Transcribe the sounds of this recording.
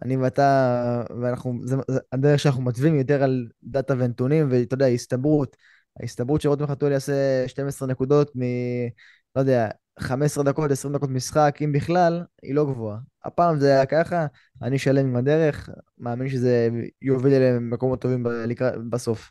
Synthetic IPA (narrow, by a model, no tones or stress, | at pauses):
a̰niveat̪aveanaχnuzead̪eʁχʃeanaχnumatvimjo̞t̪eʁald̪at̪avenetunimvet̪od̪eaist̪abʁut̪ | a̰ist̪abʁutʃeot̪mχat̪uliaseʃte̞mesʁene̞kud̪o̞t̪mi | lo̞jd̪ea | χamesʁed̪ako̞t̪esʁimdako̞tmisχakimbiχlalḭlo̞ɡvoaa̰paːmzeajakaχa | a̰niʃale̞mimad̪e̞ʁe̞χmaːminʃeze̞jo̞villemeko̞mot̪ːo̞vimbalikʁabaso̞f